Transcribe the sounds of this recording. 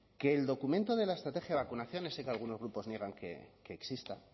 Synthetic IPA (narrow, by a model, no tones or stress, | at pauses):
ke̞ːld̪o̞kumẽnt̪oðe̞laest̪ɾat̪e̞xjaðβakunaθjo̞nesːe̞kealɣ̞uno̞zɣ̞ɾupo̞znje̞ɣ̞aŋkḛke̞ːksist̪a